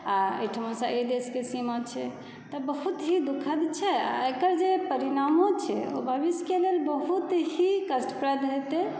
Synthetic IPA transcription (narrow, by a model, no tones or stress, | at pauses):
aḛʈʰəmosãed̪eskesimat͡ʃʰɛ | t̪ɔbəɦut̪ɦid̪ukʰəd̪t͡ʃʰɛa̰ekəɾd͡ʒepəɾinamõt͡ʃʰɛ̰obʱəbiskelelbəɦut̪ɦikəsʈpɾəd̪ɦet̪e